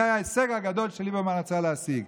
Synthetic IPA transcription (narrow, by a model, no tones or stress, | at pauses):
ajaeseɡaɡad̪o̞lʃelibemanat͡saleasiɡ